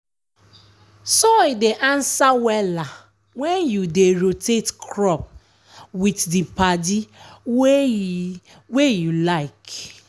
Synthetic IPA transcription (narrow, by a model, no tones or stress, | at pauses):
soideʔãnsawɛla | wɛnjudeɾotetkʰɾɔp̚ | witdipadi | wejulaɪk